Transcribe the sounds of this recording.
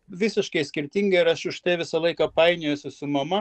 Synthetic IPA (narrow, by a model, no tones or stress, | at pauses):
ʋʲɪsʲɪʃkɐɪsʲkʲɪɾʲt̪ʲɪŋɡɐɪɾɐʃʊʃt̪ɐɪʋʲɪsɐlˠɐɪkɐpɐɪnʲeːjʊsʲʊsʊmɐmɐ